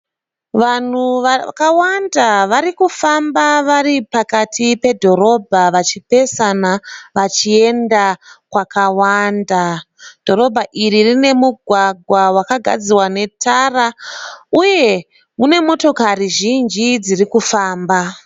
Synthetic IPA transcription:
ʋan̤uʋkawandaʋaɾikufambaʋaripakatʰipe̞dʱo̞ɾo̞bʱaʋat͡ʃipe̞sanaʋat͡ʃie̞ndakwakawanda | d̥ʱo̞ɾo̞bʱaʔiɾirine̞muɡʱwaɡʱwawakaɡʱa̰d͡ziwane̞tʰarauje̞ | mune̞mo̞to̞kariʒind͡ʒid͡zirikufaːmba

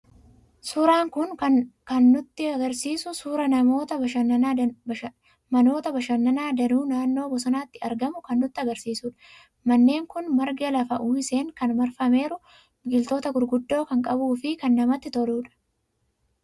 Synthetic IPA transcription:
suːɾaːŋkʊnkɐnːʊt̪ːɪɐɡɐɾsiːsʊsuːɾɐnɐmo̞ːt̪ɐbɐʃɐ | mɐno̞ːt̪ɐbɐʃɐnːɐnaːd̪ɐnuːnaːnːo̞ːbɔsɔnaːt̪ːɪɐɾɡɐmʊkɐnːʊt̪ːɪɐɡɐɾsiːsuːᶑɐ̥ | mɐnːe̞ːŋkʊnmɐɾɡɛlɐfɐʔuːɪse̞ːŋkɐnmɐɾfɐme̞ːɾʊ | ɡɪlt̪o̞ːt̪ɐɡʊɾɡʊd̪ːo̞ːkɐŋkʼɐbuːfɪkɐnːɐmɐt̪ːɪt̪ɔluːᶑɐ̥

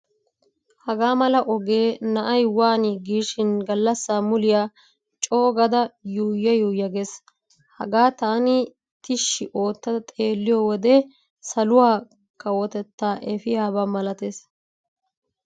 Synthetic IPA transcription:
hɐɡaːmɐlɐʔɔɡe̞ːnɐʔɐjwaːnɪɡiːʃɪnɡɐlːɐsːaːmʊlɪjaː | t͡ʃʼo̞ːɡɐd̪ɐjuːjːɐjuːjːɐɡes | hɐɡaːt̪aːnɪ | t̪ɪʃːɪʔo̞ːt̪ːɐd̪ɐt̪ʼeːlːɪjoːwɔd̪ɛ | sɐlʊwaː | kːɐwɔt̪ɛt̪ːaːʔɛfɪjaːbɐmɐlɐt̪eːs

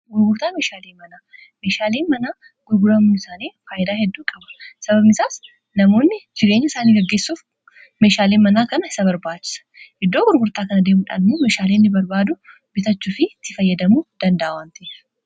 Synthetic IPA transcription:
ɡʊɾɡʊɾt̪aːmeːʃaːleːmɐnaː | meːʃaːleːnmɐnaː | ɡ̥ʊɾɡʊɾɐmuɪsaːneːfaːjɪd̪aːhɛd̪ːuːkʼɐbɐ̥sɐbɐbnɪsaːs | nɐmo̞ːnːɪd͡ʒɪɾeːɲːɐɪsaːniːɡɐɡːeːsːuːf | me̞ːʃaːleːnmɐnaːkɐnɐɪsɐbɐɾbaːt͡ʃːɪ̥sɐ̥hɪd̪ːo̞ːɡʊɾɡʊɾt̪aːkɐnɐd̪eːmʊᶑa̰ːnɪmoːme̞ːʃaːleːnːɪbɐɾbaːd̪ʊ | bɪt̪ɐt͡ʃːuːfɪt̪ːɪfɐjːɐd̪ɐmuːd̪̥ɐnd̪ɐʔɐwaːnt̪ɐf

